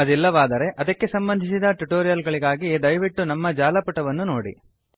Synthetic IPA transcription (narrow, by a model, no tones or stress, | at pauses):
ɐd̪ilːɐʋaːd̪ɐɾe̞ʔɐd̪ɐkːe̞sɐmbɐnd̪ʱisid̪ɐʈuʈoːɾijɐlɡɐɭiɡaːɡid̪ɐjʋiʈːunɐmːɐd͡ʒaːlɐpuʈɐʋɐnːuno̞ːɽḭ